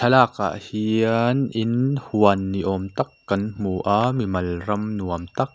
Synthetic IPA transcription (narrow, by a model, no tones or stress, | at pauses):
tʰɐlaːk̚ʔa̰ʔhinʔinhuɐnːiʔɔmt̪ɐkːɐnm̥uːʔaːmimɐlrɐmnuɐmt̪ɐk̚